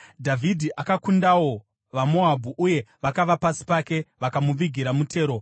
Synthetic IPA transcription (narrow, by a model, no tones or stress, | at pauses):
dʱavʱidʱiʔakakundawo̞ | ʋamo̞abʱuʔuje̞ʋakaʋapasi̥pake̞ʋakamuʋiɡʱiɾamutʰe̞ːɾo̞